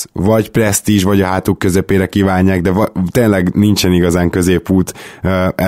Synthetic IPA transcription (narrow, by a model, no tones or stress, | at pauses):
vɒɟprɛst̪iʃvɒɟɒɦaːt̪ukːø̞zɛpeːɾɛkiːvaːɲːaːɡd̪ɛvɒt̪eːnlɛɡnint͡ʃɛniɡɒzaːŋkø̞zeːpuːt̪ːɛ